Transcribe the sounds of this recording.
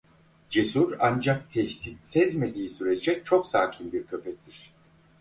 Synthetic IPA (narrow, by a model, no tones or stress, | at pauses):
d͡ʒesuɾand͡ʒak̚t̪ʰɛçt̪it̪sɛzme̞d̪iːsyɾed͡ʒɛt͡ʃʰo̞ksaːcʰinbiɾcʰø̞pʰɛc̚t̪ʰiɾ̝̥